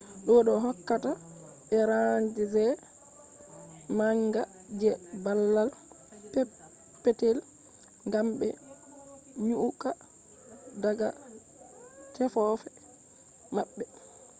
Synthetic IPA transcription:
ɗɔɗɔɦɔkːata | ɓɛɾaɲd͡ʒizɛ | maŋɡa | d͡ʒɛbalːal | pɛ | pːɛtel | ŋɡamɓɛ̰ | ɲuʔuka | daɡa | tʰɛfɔfɛ | maɓːɛ

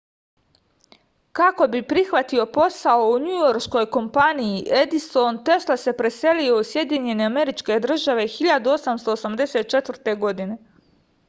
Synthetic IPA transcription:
kako̞bipɾixʋat̪io̞po̞saouɲujo̞ɾʃko̞jko̞mpanijiʔe̞d̪isont̪e̞ʃlase̞pɾe̞se̞lio̞usje̞d̪iɲe̞ne̞ame̞ɾit͡ʃke̞d̪r̩ʒaʋe̞xiʎad̪uo̞samst̪o̞ːsamd̪e̞set̪̚t͡ʃe̞t̪ʋrt̪e̞ɡo̞d̪ine̞

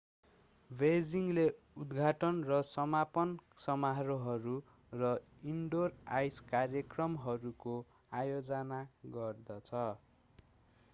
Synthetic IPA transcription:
bed͡ziŋle | ud̪ɡʱaʈʌnrʌsʌmapʌnsʌmaɦɾoɦʌɾu | rʌ | iɳɖorajskarjʌkrʌmɦʌɾuko | ajod͡zʌnaɡʌrd̪ʌt͡sʰʌ

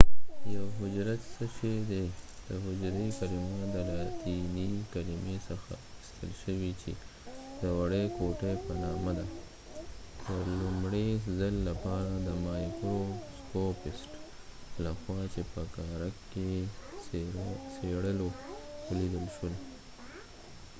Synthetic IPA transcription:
jawɦʊd͡ʒɾat̪səʃed̪ed̪̥əɦʊd͡ʒɾekalimod̪əɾat̪inikalimesəxa̰ɪst̪əlʃəwit͡ʃe | d̪̥əwaɽekoʈepənɑmad̪a | d̪̥əlumɽezəlːapɑɾad̪əmɑjkɾoskopɪsʈ | laxwɑt͡ʃepəkɑɾakːe | seɽəlolid̪əlʃəl

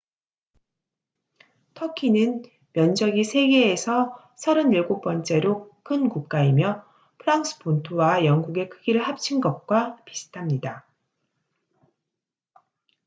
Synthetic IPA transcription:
tʰʌkʰinɯn | mjʌnd͡ʑʌɡisʰe̞ɡe̞ːsʰʌ | sʰʌɾɯniɭɡok̚p͈ʌnt͡ɕ͈e̞ɾokʰɯnkuk̚k͈aimjʌ | pʰɯɾaŋs͈ɯ̥pontʰowajʌŋɡuɡe̞kʰɯɡiɾɯɭɦap̚t͡ɕʰinɡʌt̚k͈wapi̥sʰɯ̥tʰamɲida

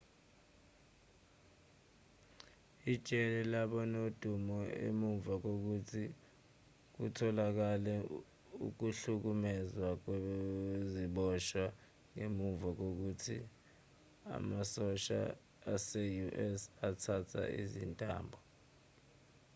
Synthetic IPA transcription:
id̥t͡ʃʼɛlɛlaɓɔnod̥ʱumɔḛmuɱvak̬ok̬utʰi | k̬utʰɔlak̬alɛ | ṵk̬uɬuk̬umɛzwak̬weziɓɔʃwa | ŋemuɱvak̬ok̬utʰi | a̰masɔʃa̰ | asɛjuʔɛsatʰatʰa̰ḭzintʼa̰ːmbʱɔ

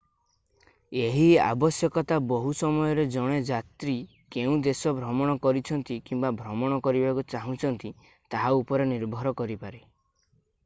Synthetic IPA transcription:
eɦia̰bɔsjɔkɔt̪abɔɦusɔmɔjɔɾed͡ʒɔɽ̃ed͡ʒat̪ɾi | keũd̪esɔbʱɾɔmɔɽ̃ɔkɔɾit͡ʃʰɔnt̪ikimbabʱɾɔmɔɽ̃ɔkɔɾibakut͡ʃaɦũt͡ʃʰɔnt̪i | t̪aɦaupɔɾeniɾbʱɔɾɔkɔɾipaɾe

